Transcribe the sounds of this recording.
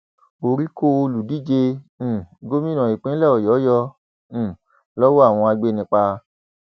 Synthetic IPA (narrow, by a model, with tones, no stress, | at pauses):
o˨ɾi˦ko˦˨o˧lu˨di˦˨d͡ʒẽ˧˨ | ɡo˦mĩ˦nã˨i˨k͡pẽ˦lɛ˦˨ɔ˨jɔ˨˦jɔ̃˧˨ | lɔ˦wo˦a˦˨w̃ɔ̃˧a˧ɡ͡be˦˧nĩ˧k͡pa˧